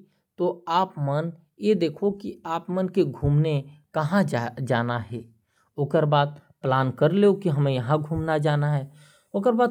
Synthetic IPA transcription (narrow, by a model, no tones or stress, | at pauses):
t̪oaːpmən | jed̪eːkʰokiaːpmənkeɡʱuːmnekɐɦãd͡ʒd͡ʒaːnaɦɛː | ʊːkəɾbaːd̪̚ | plaːnkəɾleokiɦɐmẽjɐɦãɡʱuːmnad͡ʒaːnaɦɛː | oːkəɾbaː